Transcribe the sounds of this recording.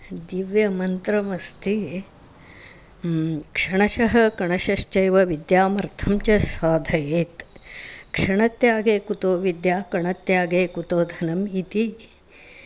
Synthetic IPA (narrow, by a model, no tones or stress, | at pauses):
d̪iʋjɐmɐnt̪ɾɐmɐst̪ʰi | kʂɐɳɐʃɐɦɐkɐɳɐʃɐʃt͡ʃɐjʋɐʋid̪jaːmɐɾt̪ʰɐmt͡ʃɐsaːd̪ʱɐjeːt̪ | kʂɐɳɐt̪jaːɡeːkut̪oːʋid̪jaːkɐɳɐt̪jaːɡeːkut̪oːd̪ʱɐnɐmit̪i